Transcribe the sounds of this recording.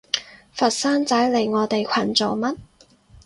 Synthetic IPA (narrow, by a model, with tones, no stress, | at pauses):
fɐ˨t̚saː˥nt͡sɐ˨˥jle˨˩jŋɔː˨˧t̪e˨jkʰɐ˨˩nt͡so˨wmɐ˥t̚